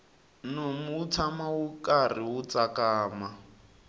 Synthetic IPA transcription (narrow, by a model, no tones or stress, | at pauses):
nomut͡sʰamawukariwut͡sakaːma